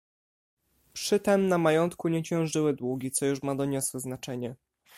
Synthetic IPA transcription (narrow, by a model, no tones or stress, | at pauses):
pʂɘt̪ɛmnamajɔnt̪kuɲɛt͡ɕɛ̃w̃ʐɘwɘd̪wuɡʲit̪sɔjuʂmad̪ɔɲɔswɘznat͡ʂɛɲɛ